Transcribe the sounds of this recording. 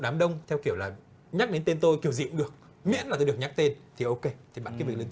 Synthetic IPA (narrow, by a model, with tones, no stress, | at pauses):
ɗaː˨˦mɗə˧wŋ͡mt̪ʰɛ˧wki˧˩əwlaː˨˩ | ɲa˦˥k̚ɗe˨˦nt̪e˧nt̪o˧jki˧˩əwzḭ˧˨əmɗɨ˨˩ək̚ | mḭ˧˥ənlaː˨˩t̪o˧ɗək̚ɲa˦˥k̚t̪e˧nt̪ʰi˨˩ʔo˧ke˧t̪ʰi˨˩ɓaː˨˧˩nkaː˨˦jv̚ln